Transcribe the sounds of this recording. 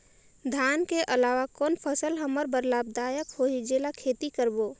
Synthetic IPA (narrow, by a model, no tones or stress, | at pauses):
d̪ʱaːnkeʔəlaːʋakɔːnpʰəsəlɦəməɾbəɾlaːb̚d̪aːjəkɦoːid͡ʒeːlakʰeːt̪ikəɾboː